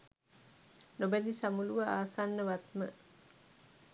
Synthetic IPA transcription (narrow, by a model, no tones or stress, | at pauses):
nobæd̪isamuluʋaa̰ːsanːəʋat̪mə̰